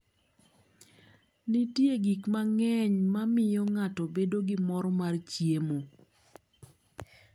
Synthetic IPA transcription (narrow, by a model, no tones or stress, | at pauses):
nitjeɡikmaŋɛɲmamɪjɔŋatɔbedoɡɪmɔɾɔmart͡ʃjemo